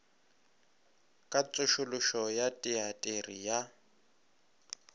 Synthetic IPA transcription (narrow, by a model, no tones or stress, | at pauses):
kʼat͡sʼʊʃʊlʊʃɔjatʼiatʼerija